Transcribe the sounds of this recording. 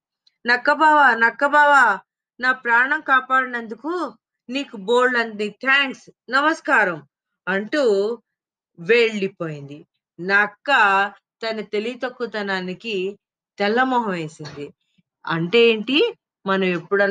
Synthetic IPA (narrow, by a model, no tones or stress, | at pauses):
nɐkːɐbaːʋaːnɐkːɐbaːʋaː | naːpɾaːɳɐmkaːpaːɽɐnɐnd̪uku | niːkuboːɭlɐnnit̪ʰaːŋksnɐmɐskaːɾɐm | ɐɳʈu | ʋeːɭɖipoːjind̪i | nakːɐ | t̪ɐnɐt̪e̞lit̪ɐkːut̪ɐnaːniki | t̪ɛlːɐmɔːɦɐʋe̞ːsind̪i | ɐ̰ɳʈe̞eːɳʈi | mɐnɐme̞pːuɽɐ